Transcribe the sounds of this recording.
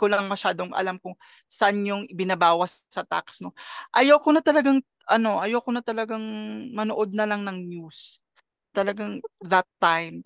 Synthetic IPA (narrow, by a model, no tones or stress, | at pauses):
kolɐŋmɐʃaːd̪oŋʔɐ̰lamkʊŋ | sɐʔanɲʊŋʔɪbɪnɐbaːwɐsːɐt̪a̰ksno̞ʔɐjowkonɐt̪ɐlɐɡaŋ | ʔɐno̞ʔɐjɐwkonɐt̪ɐlɐɡaŋmɐnoʔo̞d̪̚nɐlaŋnɐŋnjus | t̪ɐlɐɡaŋðɐt̪ːajm